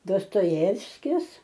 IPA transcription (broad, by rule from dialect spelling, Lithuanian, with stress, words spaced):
doːstoːˈjæːwsʲkʲɪs